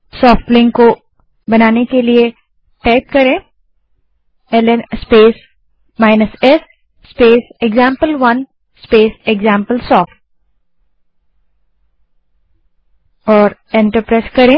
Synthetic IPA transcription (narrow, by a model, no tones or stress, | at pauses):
sɔːfʈlɪ̃ŋɡko | bɐnaːnekelie | ʈaɪp̚kɐɾẽː | ɛlenspeːs | maːɪnəsɛsː | peːseɡzãːmpəlʋɐn | speːseɡzãːmpəlsɔːfʈ | ɔːɾɛ̃ɳʈəɾpɾɛːskɐɾẽː